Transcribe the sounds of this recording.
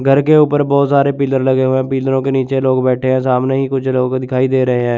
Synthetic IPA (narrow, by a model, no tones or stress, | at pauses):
ɡʱəɾkeʊːpəɾbɔːt̪saːɾepiːləɾləɡeɦoeɛ̃ːpiːləɾõkeniːt͡ʃeloːɡbɛːʈʰeɦɛ̃ːsaːmneɦiːkʊt͡ʃʰloːɡd̪ɪkʰaːid̪eːɾɐɦeɦɛ̃ː